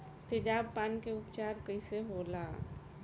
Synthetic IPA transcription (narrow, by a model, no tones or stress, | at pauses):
t̪ɪd͡ʒaːbpaːnkeʊpt͡ʃaːɾkəiseɦoːla̰ː